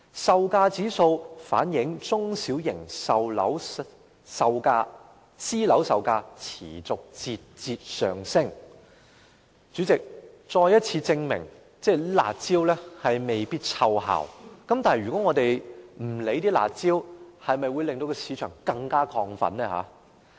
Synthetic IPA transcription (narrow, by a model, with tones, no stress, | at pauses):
sɐ˨˧wkaː˧t͡siː˨˥so˧wfa̰ː˨˥njɪ˨˥ŋt͡sʊ˥ŋsi˨˥wjɪ˨˩ŋsɐ˨wlɐ˨˥w | sɐ˨wkaː˧ | siː˥lɐ˨˥wsɐ˨˧wkaː˧t͡sʰḭː˨˩t͡sʊ˨k̚t͡siː˧t̚t͡siː˧t̚sœ̰ː˨ŋsɪ˥ŋ | t͡ʃy˨˥t͡sɪ˨k̚ | t͡sɔː˧jɐ˥t̚t͡sʰiː˧t͡sɪ˧ŋmɪ̰˨˩ŋ | t͡sɛː˥˩la̰ː˨˩t̚t͡siː˥wlɛː˥hɐ˨jme˨jpiː˥t̚t͡sʰɐ˧wɦa̰ː˨˩wkɐ˨˥mt̪aː˨n˨jɥy˨kɔː˨˥ŋɔː˨˧t̪e˨jm̩˨˩le˨˥jt̪iː˥la̰ː˨t̚t͡siː˥whɐ˨jmɐ˨jwuː˨˧jlɪ˨ŋt̪o˧wkɛ˧si˨˥t͡ʃʰœː˨˩ŋkɐ˧ŋkaː˥kʰɔː˧ŋfɐ̰˨˥nnɛː˥ha̰ː˨˦